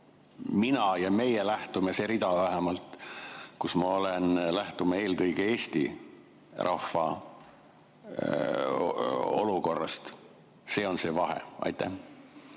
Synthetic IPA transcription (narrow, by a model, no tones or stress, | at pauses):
minɑjɑme̞jelæht̪umese̞ɾid̪ɑvæɦemɑlt̪ˑkusmɑo̞lenlæht̪umɑe̞ːlkɤjɡee̞ːst̪ḭ | rʔɑfːɑ̰ | o̞̰luko̞rːɑ̰st̪ | se̞ːo̞nse̞ːvɑɦḛɑ̰jt̪ˑːæ̰h